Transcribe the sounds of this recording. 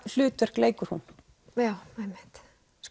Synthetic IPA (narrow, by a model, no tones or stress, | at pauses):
l̥ʏːt̪vɛɾ̥kleːjkʏɾhun | jaːwemɪht̪ | s